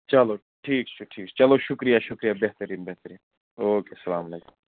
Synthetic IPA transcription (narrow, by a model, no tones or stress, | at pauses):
t͡ʃɐlo | ʈʰiːkt͡ʃʰuʈʰiːkt͡ʃɐloʃʊkɾijaʃʊkɾijabeɦt̪əɾiːnbeɦt̪əɾiːn | oːkesɐlaːmɐleːkʊ̥m